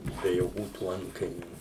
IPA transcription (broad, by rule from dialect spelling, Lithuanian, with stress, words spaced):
bʲɛ joːˈkʲuː tuː ˈɐntkɐɪnʲuː